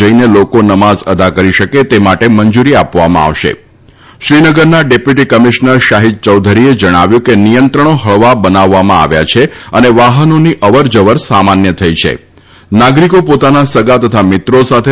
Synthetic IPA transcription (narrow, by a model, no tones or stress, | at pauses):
əinelokonəmazəd̪ʱakəɾiʃəket̪emaʈemənd͡ʒuɾiapʋamã̰a̰ʋʃḛ | ʃɾinəɡəɾnaɖepjuʈikəmiʃnəɾʃaɦid̪̚t͡ʃəwd̪ʱəɾied͡ʒəɽ̃aʋjũkenijənt̪ɾəɽ̃oɦəɭʋabənaʋːamãa̰ʋja̰t͡ʃʰeəneʋaɦənoniʔəʋəɾd͡ʒəʋəɾsamanjət̪ʰəit͡ʃʰḛ | naɡɾikopot̪anasəɡat̪ət̪ʰamɪt̪ɾosat̪ʰe